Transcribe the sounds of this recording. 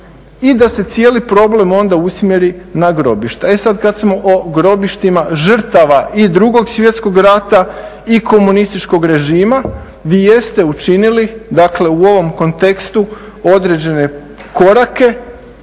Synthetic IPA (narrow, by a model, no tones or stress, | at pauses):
id̪ase̞t̪sje̞ːlipɾo̞ble̞mo̞nd̪ausmjeɾinaɡɾo̞biʃt̪eesad̪kad̪smo̞ʔoɡɾo̞biʃt̪imaʒr̩t̪aʋaʔid̪ɾuɡo̞ɡsʋje̞t̪sko̞ɡɾat̪a | ikʰo̞munist̪it͡ʃko̞ɡɾe̞ʒiːma | ʋiːje̞st̪e̞ut͡ʃinilid̪akle̞uo̞ʋo̞mko̞nt̪e̞kst̪u | o̞d̪ɾe̞d͡ʑe̞ne̞ | ko̞ɾake̞